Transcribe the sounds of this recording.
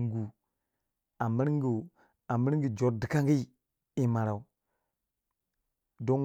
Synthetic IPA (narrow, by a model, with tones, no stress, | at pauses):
ŋ˦ɡu˨ | a˨mə˦ɾŋɡu˨ | a˨mə˦ɾŋɡi˨d͡ʒo˨ɾdi˨ka˦ŋɡi˦ | i˨ma˨ɾa˨u˨ | do˦n